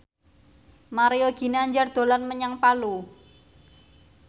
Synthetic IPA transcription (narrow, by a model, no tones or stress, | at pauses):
maɾejoɡ̥i̤neaɲd͡ʒard̪̥o̤lanməɲaŋpalu